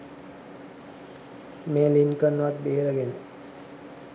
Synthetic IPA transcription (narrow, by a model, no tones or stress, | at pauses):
meːlinkənːəʋat̪̚beːləɡen